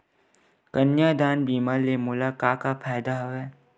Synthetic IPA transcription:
kənjad̪aːnbiːmaːɾlemʊlakaːkapʰaːd̪aɦoɛː

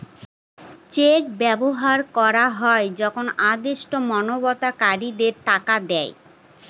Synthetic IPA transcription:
t͡ɕek̚bɛboɦaɾkɔɾaɦɔed͡ʑɔkʰonad̪eʃʈomɔnobɔt̪akaɾid̪eɾʈakad̪ɛe

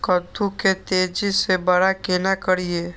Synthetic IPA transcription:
kəd̪uket̪eːd͡ʒisebəɽakenakəɽieː

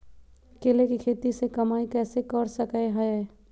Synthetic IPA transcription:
keːlekikʰeːt̪isekɐmaːikɛːsekəɾsəkaeɦəe

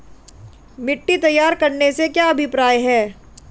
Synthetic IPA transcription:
mɪʈːit̪ɐjːaːɾkɐɾnesekjaɐbʱɪpɾaːjɦɛː

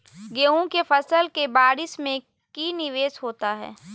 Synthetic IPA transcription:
ɡeːɦũkefɐsəlkebaːɾɪsmẽ | kiːnɪʋeːsɦoːt̪aɦɛ̰ː

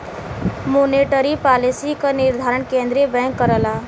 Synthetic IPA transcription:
moneʈəɾipalisikəniɾd̪ʱaɾəɳkẽnd̪ɾebɛ̃ŋkːəɾəla

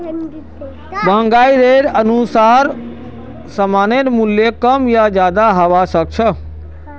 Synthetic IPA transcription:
bʱəŋɡaːiɾeɾənusaːɾ | səmaːnenmuljekəmjad͡ʒjaːd̪aɦəʋasək̚t͡ʃʰə

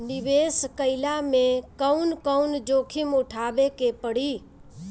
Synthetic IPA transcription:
nɪʋeːskəɪlamẽkəʊnkəʊnd͡ʒoːkʰɪmʊʈʰaːbekepəɽ̤iː

